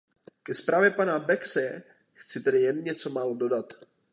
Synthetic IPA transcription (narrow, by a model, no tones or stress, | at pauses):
kɛspɾʔaːvjɛpanabɛksɛ | xt͡sɪt̪ɛdɪjɛnɲɛt͡so̞maːlodo̞dat̪